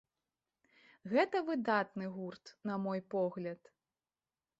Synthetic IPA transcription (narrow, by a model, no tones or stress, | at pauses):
ɣɛt̪ɐvɨd̪at̪nɨɣurt̪nɐmɔjpɔɣlʲɐt̪